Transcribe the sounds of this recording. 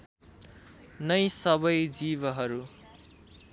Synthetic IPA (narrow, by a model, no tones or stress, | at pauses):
nʌjsʌbʌjd͡zibʌɦʌɾu